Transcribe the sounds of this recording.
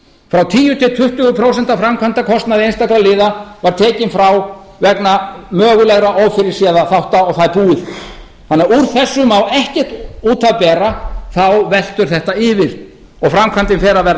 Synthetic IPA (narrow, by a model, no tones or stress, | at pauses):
fɾawt̪ʰiːjʏt̪ʰɪlt̪ʰʏht̪ʏɣʏpʰɾowsɛnt̪afɾamkʰvant̪akʰɔst̪naðɪenst̪akɾalɪːðavaɾ̥t̪ʰɛːcɪnfɾaw | vɛknamœːɣʏlɛɣɾaʔowfɪɾɪɾ̥sjɛːðaθawht̪aɔɣθaðpuːɪð | θanːɛɾuɾ̥θɛsːʏmawlɛhcɛht̪uːt̪ʰapɛːɾaθawvɛl̥t̪ʏɾ̥θɛht̪aɪːvɪð | ɔɣfɾamkʰvant̪ɪnfɛːɾavɛɾ